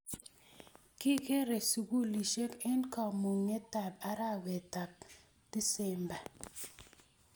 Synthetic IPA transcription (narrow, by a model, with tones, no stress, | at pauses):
kɪ˦ke˦ɾe˨su˨ɡu˦li˨ʃe˦kɛ˦nka˨mu˨ŋːe˦ta˨ba˦ɾa˦wɛ˨ta˨p̚ | d̥i˦sɛ˨mba˨